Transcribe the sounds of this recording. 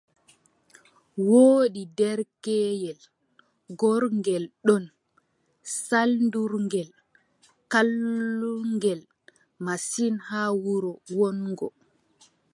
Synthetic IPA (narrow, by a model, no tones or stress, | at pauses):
woːɗidɛɾkɛːjɛl | ɡɔɾŋɡɛlɗɔn | salnduɾŋɡɛl | kalːuŋɡɛl | masinhaːwuɾɔwɔnɡɔ̰